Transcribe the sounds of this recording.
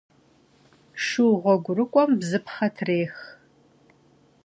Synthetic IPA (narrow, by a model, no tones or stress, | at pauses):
ʂuːʁʷɔɡʷʊɾɨkʷʼɔmbzɨpχɐtʰreːx